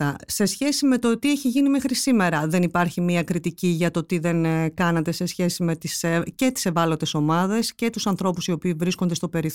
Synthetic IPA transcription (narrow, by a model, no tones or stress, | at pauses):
ɐse̞sçe̞sime̞t̪o̞t̪ieçiʝinimexɾisime̞ɾɐðe̞nipɐɾçimiɐkɾit̪iciʝɐt̪o̞t̪iðe̞nkɐnɐt̪e̞se̞sçe̞sime̞t̪isece̞t̪i̥se̞vɐlo̞t̪e̞so̞mɐðe̞sce̞t̪usɐnθɾo̞pusio̞piːvɾiskond̪est̪o̞pe̞ɾi